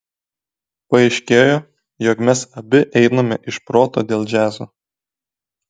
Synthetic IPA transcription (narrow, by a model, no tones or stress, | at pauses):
pɐɐɪʃʲkʲeːjoː | joːkmʲɛsɐbʲɪʔɛɪnɐmʲɛʔɪʃpɾoːt̪o̰ːd̪ʲeːlˠd͡ʒʲæːzoː